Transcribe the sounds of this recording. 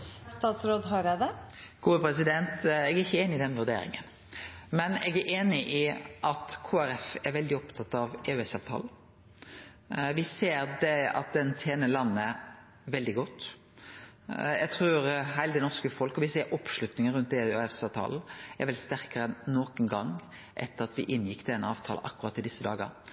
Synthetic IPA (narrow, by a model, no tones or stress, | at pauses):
st̪ɑːt̪sɾoːd̪ɦɑɾɛd̪ɛɡ̥uːəpɾɛsɪd̪ɛnt̪ɛɡæɪçːəeːnɪɪd̪ɛnʋʉɾd̪ḛːɾɪ̰ŋə̰n | mɛnɛɡæʔeːnɪʔɪʔɑt̪kʰoːæɾɛfɛɾʋɛld̪ɪɔpt̪ʰɑt̪ːɑʋeːʉɛsɑːʋt̪ʰɑ̰l̩ | ʋɪseːɾd̪ɛɑ̰t̪̚d̪ɛnt̪ʰeːnəlɑnːə | ʋɛld̪ɪɡɔt̪ː | ɛɡt̪ʰʁʉːɾɦæɪld̪ɪnɔskəfɔlkɔʋɪseːɾɔpʂlʉt̪nɪŋəɾʉnt̪eːɛfsɑːʋt̪ʰɑ̰ːln̩æɾʋɛlst̪æʁkəɾɛnːoːkənɡɑŋ | ʔɛt̪ːəɾɑt̪ʋɪ̰ʔɪnːjɪkːd̪ɛnɑ̰ːʋt̪ʰɑ̰ːl̰ʔɑ̰kːʉɾɑt̪ːɪd̪ɪsːəd̪ɑːɡə̰ɾ